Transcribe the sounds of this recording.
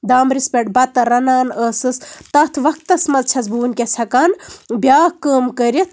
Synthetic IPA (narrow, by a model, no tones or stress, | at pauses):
d̪aːmɾispʲeʈ̚bɐt̪ːɐɾɐnaːnəsɨst̪ɐt̪ʰʋɐk̚t̪ːɐsmɐzt͡ʃʰɐzbuːnkʲesʰɐkaːnbʲjaːhkəːmkəɾit̪̚ʰ